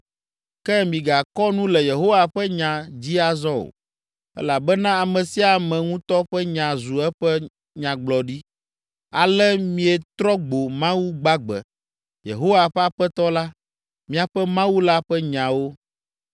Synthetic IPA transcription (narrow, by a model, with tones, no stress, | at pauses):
kɛ˦mĩ˨ɡa˨kɔ˦nũ˦lɛ˨je˨ɦo˦wa˨ɸɛ˦ɲã˨d͡ʑi˦a˨zɔ̃˦o̰˨ | ɛ̰˦la˨bɛ˦nã˦a˨mɛ̃˨si˦a˨mɛ̃˨ŋũ˦t̪ɔ˦ɸɛ˦ɲã˨zu˨ɛ˦ɸɛ˦ | ɲã˨ɡ͡blɔ˨ɖi˦ | a˨lɛ˦mĩ˦ɛ˨t̪ɾɔ˦ɡ͡bo˨mã˦wu˦ɡ͡ba˦ɡ͡bɛ̰˨ | jḛ˨ɦo˦wa˨ɸɛ˦a˨ɸɛ˦t̪ɔ˦la˦ | mĩ˦a˨ɸɛ˦mã˦wu˦la˦ɸɛ˦ɲã˨wo˦